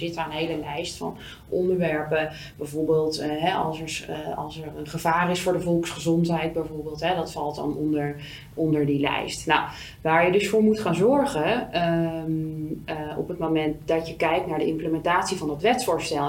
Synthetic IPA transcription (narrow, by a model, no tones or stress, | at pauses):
zɪtəəəndəɦejləlɛjstfɑ̰n | ʔɔndəɹʋɛɹpə | bɛjvoːɹbeːlˠtɦɛʔɑ̰lˠsəɹsɑlˠsəɹənχəvaːrɪsfʊːɹdəvɔlˠksχəzɔntɦɛjd̚bɛjvoːɹbɪːlˠtɦɛdɑtfɑlˠtdɑ̰nɔndəɹ | ɔndəɹdilɛ̰jstna̰w | ʋaːɹjədɵsfʊːɹmutχaːnzɔɹχə | ɔ̰pətmomɛnt̚dɑtjəkɛjk̚tnaːɹdəɪmpləmɛntaːtsivɑndɑtʋɛtsʊɹstɛl